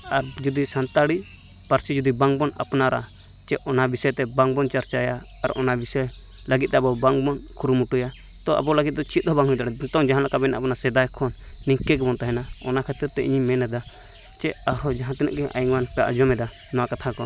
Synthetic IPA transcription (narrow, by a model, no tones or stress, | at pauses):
aɾd͡ʒud̪isant̪aɽi | paɾt͡ʃid͡ʒud̪ibaŋbɔna̰pnaɾa̰ | t͡ʃɛɔnabisɔjt̪ɛbaŋbɔnt͡ʃaɾt͡ʃajaː | ɾɔ̰nabisaj | laɡit̪̚ˀd̪bɔbaŋbɔn | kʰuɾumuʈuja | t̪ɔʔa̰bɔlaɡit̪̚d̪ɔt͡ʃʰit̪̚ˀɔbaŋɦujt̪aɽɛt̪ɔŋd͡ʒaɦãlakabɛnaʔapnasɛd̪ajkʰɔnː | iŋkɛkɛbɔnt̪aɦɛna | ɔnakʰɛt̪ɾɛɾt̪ɛḭɲimːɛnɛd̪a | t͡ʃɛaɾɔd͡ʒaɦãt̪ɛna̰ʔɡɛʔa̰jiŋwanpɛaʔd͡ʒɔmɛd̪a | nɔwakat̪ʰakɔ